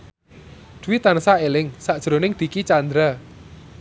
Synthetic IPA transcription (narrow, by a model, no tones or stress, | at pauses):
d̪̥ṳwit̪anəsaelɪŋsaʔd̥ʒ̥ɾonɪŋd̪̥i̤kit͡ʃand̪ɾa